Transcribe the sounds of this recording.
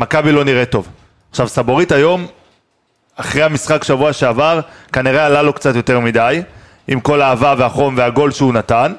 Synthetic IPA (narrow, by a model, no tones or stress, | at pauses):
makabilo̞niʁeto̞v | aχʃavsabo̞ʁitajo̞m | aχʁehamisχakʃavuaʃeavaʁkaniʁealalo̞kt͡sat̪jo̞te̞ʁmidaj | imko̞laːvaveaχo̞mveaɡo̞lʃeunatan